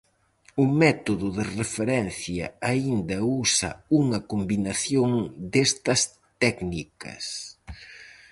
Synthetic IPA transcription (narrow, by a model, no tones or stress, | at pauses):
ʊmɛt̪oðʊðɪrefeɾɛnθjɐaind̪ɐusɐ̰uŋɐkombinɐθjoŋd̪est̪ɐs | t̪ɛknikɐ̰s